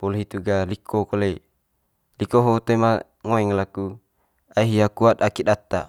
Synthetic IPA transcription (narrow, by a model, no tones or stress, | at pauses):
polɦit̪uɡalikʰokole | likoɦot̪ema | ŋoeŋlaku | aiɦiakuat̪̚akiɗat̪ːa̰